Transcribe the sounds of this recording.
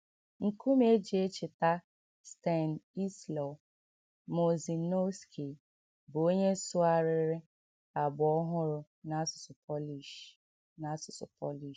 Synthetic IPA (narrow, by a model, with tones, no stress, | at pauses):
ŋ̩˨ku˦m˦e˦d͡ʒi˨e˦t͡ʃɪ˨ta˦ | ste˦˨n˨i˦slɔ˨ | mo˨zi˨no˦ski˨ | bʊ˨o˦ɲe˦sʊ˦a˦ɾɪ˨ɾɪ˦ɾɪ˦ | a˨bɔ˦ɦʊ˦ɾʊ˨ | na˦sʊ̥˨sʊ˨pɔ˦li˨ | na˦sʊ˨sʊ̰˨pɔ˦li˨